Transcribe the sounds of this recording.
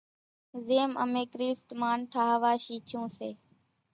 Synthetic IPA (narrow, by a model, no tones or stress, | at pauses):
zeːmə̰meːkɾiːsʈmaːnʈʰaːɦʋaːʃiːt͡ʃʰũːseː